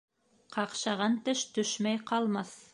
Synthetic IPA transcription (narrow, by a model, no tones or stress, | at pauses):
qʰɑqʃɑʁɑnt̪ɘʃt̪ɵʃmæjqʰɑlˠmɑθ